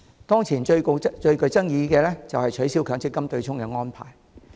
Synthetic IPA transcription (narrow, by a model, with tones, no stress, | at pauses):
t̪ɔː˥ŋt͡sʰiː˨˩nt͡ʃɵ˧ɥko˧wt͡ʃɵ˧ɥkɵ˧ɥt͡sɐ˥ŋjiː˨˧kɛː˧lɛ˥t͡sɐ˨whɐ˨jt͡ʃʰɵ˨˥ɥsiː˥wkʰœː˨˥ŋt͡sɪ˥kːɐ˥mt̪ɵ˧ɥt͡sʰʊ˥ŋkɛ˧ŋɔː˥npʰa̰ː˨˩j